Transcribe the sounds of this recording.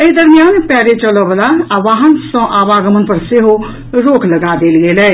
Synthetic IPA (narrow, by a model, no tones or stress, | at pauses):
əd̪əɾmijaːnpɛːɾet͡ʃəloʋlaaʋaːɦənsɔ̃ːʔaːʋaːɡəmənpəɾseɦo | ɾoːkʰləɡaːd̪eːlɡeːlɛː